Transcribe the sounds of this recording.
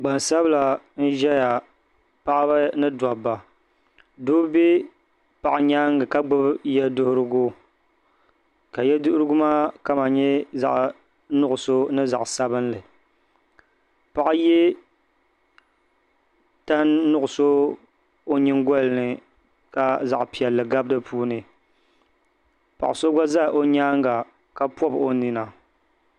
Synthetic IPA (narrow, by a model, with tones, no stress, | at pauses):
ɡ͡ba˨nsa˦bla˨ | n̩˦ʒɛ˦ja˨ | pa˦ʔba˦nɨ˦da˨ba˨ | doː˦be˦ | pa˨ʔa˨ɲaː˦ŋɡɨ˨ka˦ɡ͡bʊ˦bjɛ˦dʊ˦hʊ˦ɾɨ˦ɡʊ˦ | ka˨jɛ˦dʊ˦hʊ˦ɾɨ˦ɡʊ˦maː˦ka˦ma˨ɲɛ˦za̰˨ʔ | nʊ˦ʔʊ˨so˦nɨ˦za˨ʔsa˦bɨ˦n˦lɨ˨ | pa˨ʔjɛ˦ | ta˦nː˦ʊ˦ʔʊ˨so˦ | o˦ɲɪ˦ŋɡɔ˦lnɨ˨ | ka˨za˨ʔpi˨ɛ˨lːɨ˨ɡa˦bdɨ˦pʰuː˦nɨ˨ | pa̰˨ʔso˦ɡʷa˦za˦˨ʔo˦ɲaː˦ŋ˦ɡa˨ | ka˦pɔ˦bo˦ni˨na˨